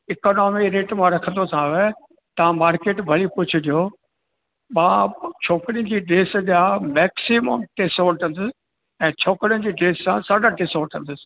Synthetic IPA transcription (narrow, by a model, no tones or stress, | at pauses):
ɪkoːnɔːmɪɾeːʈmãɾɐkʰə̃nd̪osʰãʋe | t̪ɐʋãmaːɾkeːʈbʱɐlipʊd͡ʑʰʊd̪ijoː | ɓãːt͡ɕʰoːkɾijə̃n̆d͡ʑiːɖeːsɗamɛːksimə̰mʈeːsoːʈʰɐ̃nd̪ʊs | ɛ̃ːt͡ɕʰoːkɽijə̃nd͡ʑiːɖeːssãsaːɖaʈeːsoːʈʰɐ̃nd̪ʊsɪ̥